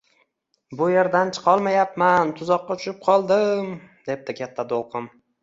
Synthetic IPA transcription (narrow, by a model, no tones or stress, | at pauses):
bʊjeɾd̪ant͡ʃʰɨ̥qʰɒlˠmajap̚mant̪ʰʊzɒqːɑt͡ʃ̪ʰʊʃɪp̚qʰɒlˠd̪ɪmd̪e̞p̚t̪ɪkʲʰat̪ʰːat̪ʰolˠqʰɨm